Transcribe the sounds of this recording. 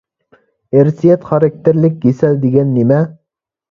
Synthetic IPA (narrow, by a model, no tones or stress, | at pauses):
eɾsijɛt̪χɑɾɑk̚t̪ʰeɾlɪk̚ʲɡesɛld̪eɡʲɛnːimɛ